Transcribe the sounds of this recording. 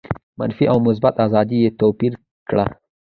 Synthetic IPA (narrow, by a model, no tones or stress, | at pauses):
ma̰nfiʔawmʊs̬bat̪ɑzɑd̪ijet̪opiɾ | kɽa̰